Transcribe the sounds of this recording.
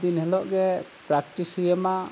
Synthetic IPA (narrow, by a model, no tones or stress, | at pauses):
d̪inɦɛlɔʔɡɛpɹak̚tisijɛma